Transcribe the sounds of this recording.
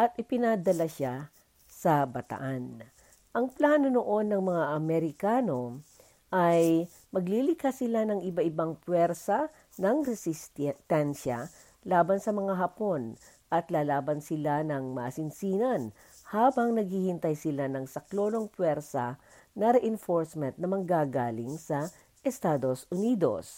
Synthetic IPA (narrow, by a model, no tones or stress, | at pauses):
ʔɐt̪̚ʔɪpɪnad̪ɐlaʃa | sɐbɐt̪ɐ̰ʔan | ʔɐŋplaːno̞noʔo̞nːɐŋmɐŋaʔɐmɛɾɪkaːno̞ | ʔaj | mɐɡlilɪkasɪlanɐŋɪbaʔɪbaŋpwɛɾsɐ | nɐŋɾɛsɪst̪t̪ɛnʃa̰ | laːbɐnsɐmɐŋaɦɐpo̞n | ʔɐt̪laːlaːbɐnsɪlanɐŋmɐːsɪnsiːnɐn | haːbɐŋnɐɡ̚hiːhɪnt̪ɐjsɪlanɐŋsɐklo̞ːno̞ŋpwɛɾsɐ̰ | nɐɾɛʔɛnfoɹsmɛnt̪̚nɐmɐŋɡaːɡaːlɪŋsɐ | ʔɛst̪aːd̪o̞sʔʊniːd̪o̰s